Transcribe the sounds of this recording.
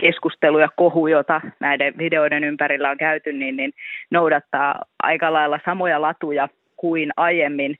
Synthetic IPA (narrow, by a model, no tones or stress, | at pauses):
keskust̪elujɑkohujot̪ɑnæideʋʋide̞oidenympæɾilːæoŋkæyt̪ynːinninnoudɑt̪ːɑːɑ̰ikɑlɑilːɑsɑmojɑlɑt̪ujɑ | kuinɑjemːin